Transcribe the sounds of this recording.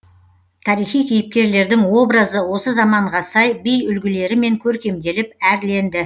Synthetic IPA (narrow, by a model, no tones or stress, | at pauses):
t̪ʰɑɾijχijkʲʰijɪp̚kʲe̞ɾle̞ɾd̪ɪŋwo̞bɾəzəwo̞səzɑmɑɴʁɑsɑjbijʏlɡʲɪle̞ɾɪme̞ŋkʲʰɵɾkʲe̞md̪e̞lɪp̚æɾle̞nd̪ɪ